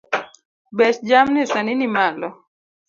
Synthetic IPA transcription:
bɛt͡ʃd͡ʒamnɪsanɪnimalɔ

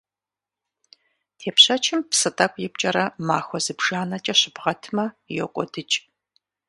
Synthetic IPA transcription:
tʰeːpɕɐt͡ʃʰɪmpsɨtʼɐkʷʼjɪp̚t͡ʃʼɐɾɐmaːxʷɔzɨbʒaːnɐt͡ʃʼɐɕɪbʁɐtʰmɐ | jɛkʷʼɔdɨt͡ʃʼ

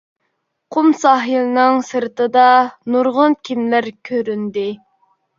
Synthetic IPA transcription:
qʰʊmsɑːɦilnɨŋsɨɾt̪ɨd̪ɑnuɾʁʊnkʲʰimlæɾkʲʰøɾynd̪ɪ

